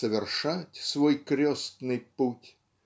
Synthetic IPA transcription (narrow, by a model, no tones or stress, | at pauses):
əvʲɪrʂatʲsvojkɾʲost̪nɨjputʲ